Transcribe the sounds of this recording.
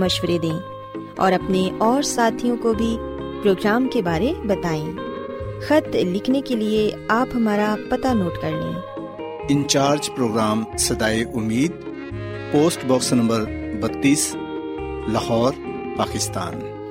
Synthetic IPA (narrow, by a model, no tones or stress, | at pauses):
mɐʃwəɾed̪ẽː | ɔ̰ːɾɐpneʔɔːɾsaːt̪ʰijõkobʱipɾoːɡɾaːmkebaːɾebɐt̪aːẽː | xɐt̪lɪkʰnekelie | aːpɦɐmaːɾapɐt̪anoːʈkɐɾlḭ̃ | ɪ̃ɲt͡ʃaːɾd͡ʒpɾoːɡɾaːmsɐd̪aːeʔʊmːiːd̪̚ | poːsʈbɔːksnɐ̃mbəɾbɐt̪ːiːs | lɐhɔːɾ | paːkɪst̪a̰ːn